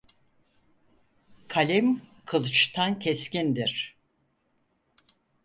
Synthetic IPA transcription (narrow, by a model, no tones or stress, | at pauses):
kʰalʲimkʰɯlˠt͡ʃt̪ʰancʰɛscind̪iɾ̥